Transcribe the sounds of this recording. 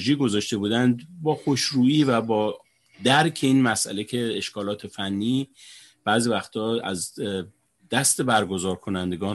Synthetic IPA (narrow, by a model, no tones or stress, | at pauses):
ʒiːɡo̞zɒːʃt̪e̞buːd̪ænd̪bɒːxo̞ʃɾuːiːvæbɒː | d̪æɾcʰeiːnmæsʔæ̰le̞cʰe̞eʃkʰɒːlɒːt̪ʰe̞fænːiː | b̥æːziːvæxt̪ʰɒːæz | d̪̥æst̪e̞bæɾɡo̞zɒːɾkʰo̞nænd̪e̞ɡɒː